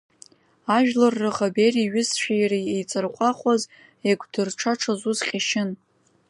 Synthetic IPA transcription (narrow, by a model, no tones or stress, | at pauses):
aʒᶣlarːɨʁaberiɥɪsʃᶣijrijejt͡sʼɨrqʷʼaχʷaz | eɡʷʰʼdɨrʈ͡ʂʰaʈ͡ʂʰazuzqʲʼaʃɪn